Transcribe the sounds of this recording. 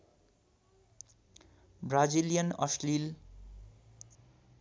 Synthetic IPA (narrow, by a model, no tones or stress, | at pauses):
bɾazilijənʌ̰slil